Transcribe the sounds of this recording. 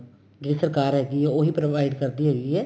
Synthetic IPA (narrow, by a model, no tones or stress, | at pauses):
ɡɾɪsəɾkaːɾɦɛːɡiɦɛoːɦipɾoʋaːɪɖkɐɾd̪iɦɛɡiɦɛː